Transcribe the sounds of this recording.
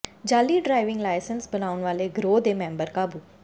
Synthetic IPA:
d͡ʒaːliːɖɾaːɪʋɪ̃ŋɡlaːɪsənsbənaːʊnʋaːleːɡɾoːd̪eːmɛ̃ːmbəɾkaːbuː

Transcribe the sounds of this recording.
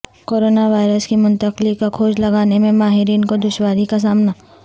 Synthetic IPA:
koːɾoːnaʋaːɪɾəskimʊ̃nt̪əqlikːakʰoːd͡ʒlɐɡaːnemẽmaːɦɪɾiːnkod̪ʊʃwaːɾikas̬aːmna

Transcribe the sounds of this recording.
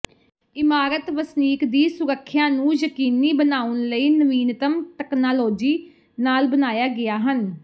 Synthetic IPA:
ɪmaːɾət̪ʋəsniːkd̪iːsʊɾəkʰːjãːnũːjəkiːniːbənaːʊnləiːnəʋiːnt̪əmʈɛːknaːloːd͡ʒiː | naːlbənaːjaːɡɪaːɦən

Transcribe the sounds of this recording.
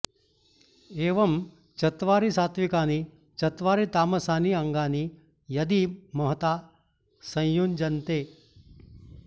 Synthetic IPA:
eːʋɐm | t͡ʃɐt̪ʋaːɾisaːt̪ʋikaːni | t͡ʃɐt̪ʋaːɾit̪aːmɐsaːniɐŋɡaːni | jɐd̪imɐɦt̪aː | sɐ̃j̃jund͡ʒɐnt̪eː

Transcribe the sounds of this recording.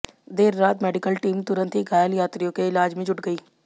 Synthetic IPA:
d̪eːɾːaːt̪mɛːɖɪkəlʈiːmt̪ʊɾə̃nt̪iɡaːjəljaːt̪ɾijõkeɪlaːd͡ʒmẽd͡ʒʊʈɡɐiː

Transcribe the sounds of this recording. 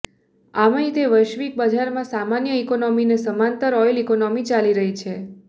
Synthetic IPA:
amãɦit̪eʋəʃʋik̚bad͡ʒʱaɾmãsamanjəikonɔminesəmãnt̪əɾɔjlikonɔmit͡ʃaliɾəɦit͡ʃʰe

